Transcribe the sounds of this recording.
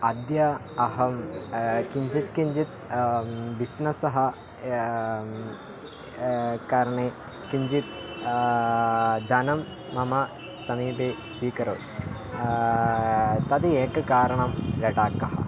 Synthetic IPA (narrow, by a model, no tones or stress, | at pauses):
ɐd̪jɐ | ɐɦɐmkiɲd͡ʒit̪kiɲd͡ʒit̪̚ | bisnɐsɐɦɐ̆ | kaːɾɐɳeː | kiɲd͡ʒit̪ | d̪ɐnɐmː | ɐmɐ | sɐmiːbeːsʋiːkɐɾo | t̪ɐd̪ieːkɐkaːɾɐɳɐmɾɐʈaːkːɐɦɐ̰